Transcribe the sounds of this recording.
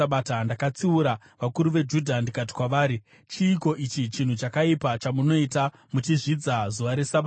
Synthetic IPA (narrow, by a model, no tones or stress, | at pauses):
aɓaːtandakat͡siuɾa | ʋakuɾuʋe̞d͡ʒudʱandikat̬i̥kwaʋaːɾi | t͡ʃiːko̞ʔit͡ʃit͡ʃin̤ut͡ʃakaipat͡ʃamuno̞ita | mut͡ʃiʐid͡zazuʋaɾe̞saɓa